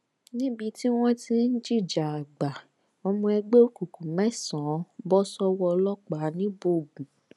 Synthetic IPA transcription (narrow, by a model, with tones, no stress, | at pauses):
nĩ˦bi˧ti˦w̃ɔ̃˦tĩ˧˦n̩˦d͡ʒi˦˨d͡ʒa˨a˨ɡ͡ba˨ | o˧mũ˧ɛ˧ɡ͡be˦ku˨ku˨mɛ̃˦˨sɔ̃˨˦bɔ˦sɔ˦wɔ˧lɔ˦k͡pa˨˦nĩ˦bo˦˨ɡũ˨